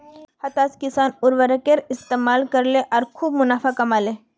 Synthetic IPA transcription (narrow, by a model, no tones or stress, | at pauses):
hɐt̪aːskɪsaːnʊɾʋəɾɐkeɾɪst̪eːmaːlkɐɾleʔɔːɾkʰuːbmʊnaːfakɐmaːle